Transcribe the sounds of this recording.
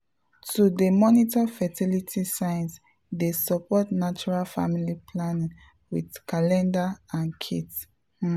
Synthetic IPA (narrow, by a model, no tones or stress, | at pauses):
tudəmɔnitafɛtilitʰisãɪ̃ns | desɔpɔtnat͡ʃuɹalfa̰milipʰlanĩŋ | widkalɛ̃ndaãnkʰit